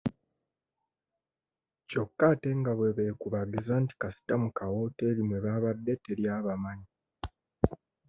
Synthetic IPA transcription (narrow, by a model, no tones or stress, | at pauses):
co̞kːate̞ŋɡaβwe̞βe̞ːkuβaɡizaːnti̥kasi̥tamukawo̞te̞ːɾimweβaːβadːe̞teɾjaːβamaɲi